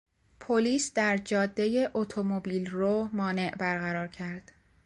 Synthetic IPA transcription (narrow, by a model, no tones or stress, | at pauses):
pʰoliːsd̪æɾd͡ʒɒːd̪ːe̞jeʔot̪ʰomobiːlromɒːne̞ʔbæɾɣæɾɒːɾcʰæɾd̪̥